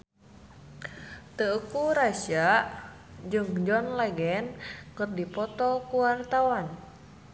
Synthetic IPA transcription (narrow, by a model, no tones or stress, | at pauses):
t̪əukuɾasaʔ | d͡ʒɨŋd͡ʒɔnlɛɡɛnkɨrdipɔt̪ɔkuwart̪awan